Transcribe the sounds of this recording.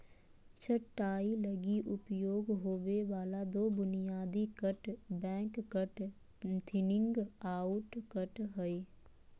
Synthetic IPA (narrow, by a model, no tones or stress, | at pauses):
t͡ʃʰəʈːaːiləɡiʔʊpjoːɡɦoːweʋaːlad̪oːbʊnijaːd̪ikəʈbɛ̃ːkkəʈ | t̪ʰɪnɪ̃ŋɡaːʊʈkəʈɦoi